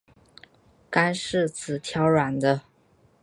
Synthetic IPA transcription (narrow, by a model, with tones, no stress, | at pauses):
ka˥nʂɻ̩˥˩t͡sʰɹ̩˨˩t̪ʰjɑ˧˥ʊɻwa˨˩nd̪ə˦